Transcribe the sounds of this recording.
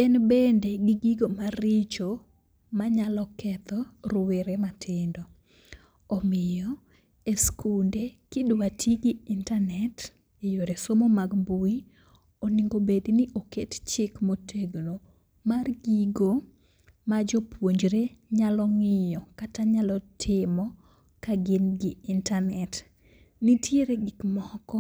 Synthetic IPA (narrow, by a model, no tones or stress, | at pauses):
ɛnbendeɡɪɡiɡomarɪt͡ʃo | maɲalɔkɛt̪ɔrʊweɾematʰɪndɔ | ɔmɪjɔ | eskʰundekɪdwatʰiɡiintanɛt | ejoɾesomomaɡbui | oniŋɡobednɪʔokett͡ʃɪkmotʰeɡlo | marɡiɡo | mad͡ʒɔpwoɲd͡ʒɾeɲalɔŋɪjɔkataɲalɔtʰɪmɔ | kaɡɪnɡɪɪntanɛt | nitjeɾeɡɪkmɔkɔ